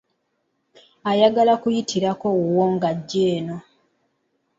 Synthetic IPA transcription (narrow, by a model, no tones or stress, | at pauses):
ajaɡalakujitʰiɾako̞wuwoːŋɡaɟːeːno̞